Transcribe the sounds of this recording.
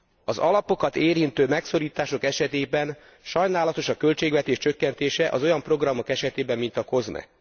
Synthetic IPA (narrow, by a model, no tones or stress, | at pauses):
ɒzɒlɒpo̞kɒt̪eːɾint̪øːmɛkso̞ɾiːt̪aːʃo̞kɛʃɛt̪eːbɛn | ʃɒjnaːlɒt̪o̞ʃɒkø̞lt͡ʃeːɡvɛt̪eːʃt͡ʃø̞kːɛnt̪eːʃɛʔɒ̰zo̞jɒmpro̞ɡrɒmo̞kɛʃɛt̪eːbɛmːint̪ɒko̞zmɛ̰